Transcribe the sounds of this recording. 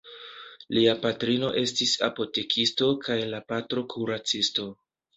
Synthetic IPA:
liapatɾino̞̰ʔe̞stisa̰po̞te̞kʰisto̞kʰajlapatɾo̞kʰuɾat͡sisto̞

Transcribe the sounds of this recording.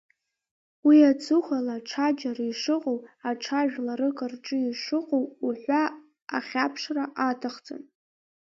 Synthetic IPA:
wiat͡sʰuχʷalaʈ͡ʂʰad͡ʒariʂɨqʼowaʈ͡ʂʰaʒᶣlaɾɨkʼarʈ͡ʂʼɨiʂɨqʼowuħʷaː | χʲapʰʂraʔatʰaχt͡sʼɨ̰n

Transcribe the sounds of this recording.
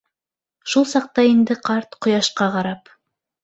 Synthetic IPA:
ʃulˠsɑq̚t̪ɑind̪ɘqʰɑɾt̪qʰŏjɑʃqɑqɑɾɑp

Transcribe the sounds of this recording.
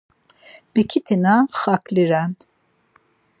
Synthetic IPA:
b̥ikʰit̪ʰinaχakʰliɾan

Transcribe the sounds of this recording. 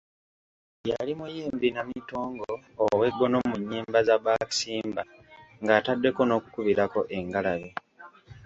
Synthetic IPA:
jalimujeːmbinamito̞ːŋɡoːwe̞ɡːo̞no̞muɲːiːmbazaβaːki̥siːmba | ŋɡaːtadːe̞ko̞no̞ːku̥kuβiɾako̞ʔe̞ŋɡalaβe

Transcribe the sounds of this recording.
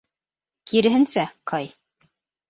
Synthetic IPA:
kiɾɘ̆ɦɘ̆nsæqʰɑj

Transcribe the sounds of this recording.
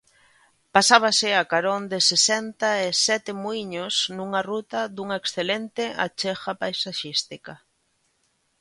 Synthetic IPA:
pasaβasɪakaɾond̪ɪsesɛnt̪aesɛt̪ɪmuiɲosnuŋarut̪aðuŋaeksθelent̪ɪa̰t͡ʃexapajsaʃist̪ikɐ

